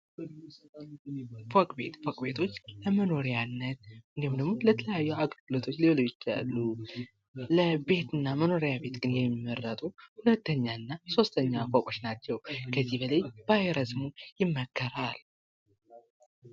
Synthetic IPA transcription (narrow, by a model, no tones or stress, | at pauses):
fokʼbḛt̪fokʼbe̞t̪ʰo̞t͡ʃːləməno̞ɾijanːət̪̚ɨnd̪ihumd̪əɡmo̞lət̪ʰələjajːɛwaɡʼəlɡɨlo̞t̪ʰo̞t͡ʃːliwolot͡ʃːa̰lːu | ləbe̞t̪ɨnːaməno̞ɾijabe̞t̪ɡɨnjɛmːəɾːət̪ʼuhulət̪ːəɲːaɨnːaso̞st̪ʰəɲːakʼakʼo̞t͡ʃːnat͡ʃːɛwkʰəzːihbələjbajɾəsmujɪmːəkʰːəɾal